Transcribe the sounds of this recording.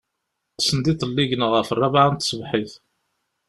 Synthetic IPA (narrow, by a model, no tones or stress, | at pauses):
sənd̪iθəlːiʝənʁəfərˤːɑvaʕant̪ːsəvħiθ